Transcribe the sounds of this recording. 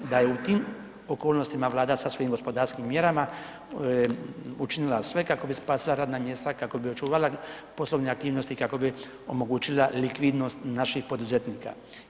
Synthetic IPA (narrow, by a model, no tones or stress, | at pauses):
d̪aje̞ut̪iːm | o̞koːlˠno̞st̪imaʋlˠaːd̪asaso̞jimɡo̞spo̞d̪aːɾskimːje̞ɾama | ut͡ʃinilasʋe̞kako̞bispaːsilaɾaːd̪namje̞ːst̪akako̞bio̞t͡ʃuːʋala | po̞slo̞ʋneak̚t̪iːʋno̞st̪ikako̞bi | o̞̰mo̞ɡuːt͡ʃilalikʋid̪no̞st̪naʃixpo̞d̪uzet̪niːka̰